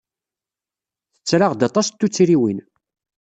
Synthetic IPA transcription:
θə̥t͡sːɾaʁd̪ɑt̪ˤɑst̪ːut͡sːɾiwin

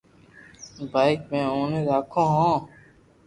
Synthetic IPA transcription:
baːɪkmẽːoːneːɾaːkʰõːɦõː

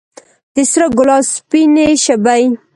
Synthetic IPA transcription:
d̪ɪsɾaɡʊlɑspineʃabaj

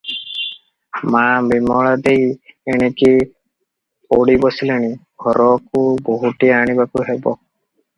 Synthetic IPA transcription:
mabimɔɭad̪ejeɽ̃eki | oɽibɔsileɽ̃iɡʱɔɾɔkuboɦuʈiaɽ̃ibakuɦebɔ

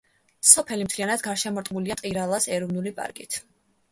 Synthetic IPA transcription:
sɔpʰɛlimt̪ʰlianad̪ɡaɾʃɛmɔɾt̪ʼmuliat̪ʼiɾalˠasɛɾɔvnulipʼa̰ɾkʼḭt̪ʰ

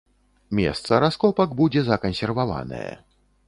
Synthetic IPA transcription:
mʲɛ̰st̪sɐɾaskɔpɐkbud͡zʲɛzɐkɐnsʲɛrvava̰nɐ̰jɛ̰

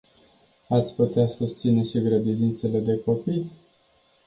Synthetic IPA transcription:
at̪sʲput̪easust̪sine̞ʃiɡɾəd̪id̪int̪se̞le̞d̪e̞ko̞pij

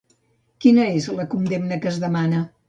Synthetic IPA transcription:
kinəezləkund̪emnəkəzðəmanə

